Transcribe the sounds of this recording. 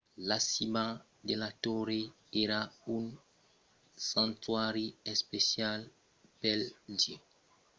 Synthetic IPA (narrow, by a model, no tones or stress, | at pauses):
lasima | d̪elat̪oɾe | eɾaun | sãnt̪waɾiespesjal | peld͡ʒe